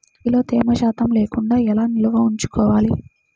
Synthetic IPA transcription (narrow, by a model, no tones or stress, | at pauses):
ilo̞ːt̪eːmɐʃaːt̪ɐmle̞ːkuɳɖaːɛlaːniluʋɐuɲt͡ʃu̥kɔːʋaːli